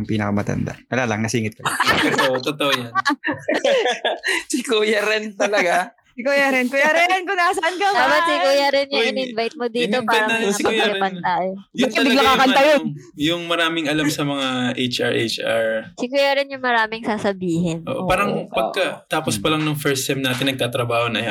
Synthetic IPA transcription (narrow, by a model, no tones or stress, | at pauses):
ŋpiːnɐkɐmɐt̪ɐ̰nd̪a̰ʔɐlaːlɐ̰ŋnɐsiːŋɪt̪̚koʔoʔt̪ot̪oʔojɐn | sɪkujɐɾɛnt̪ɐlɐɡa | ɪkujɐɾɪnkʊjaɾɛnkonɐɐsɐʔankod̪aːbat̪sɪkujɐɾɪnjʊŋɪnɪnvajt̪̚mod̪iːt̪opaːɛɾɐɐɐɪjlɪɾpɐnt̪aːjojɐtkɐɐbɪɐɡlɐakɐnɐjon | jʊŋmɐɾaːmɪŋɐlamsɐmɐŋaʔejt͡ʃʔɐ̰ɹʔejt͡ʃɐɹsɪkuːjɐɾɪnjʊŋmɐɾaːmɪŋsaːsɐbiːɦɪnʔo̰ːʔpaːɾɐŋʔpɐɡ̚kɐt̪aːpospɐlɐŋnʊŋfɛɹst̪ɛmnaːt̪ɪnɐɡ̚t̪aːt̪ɾɐbaːhonɐj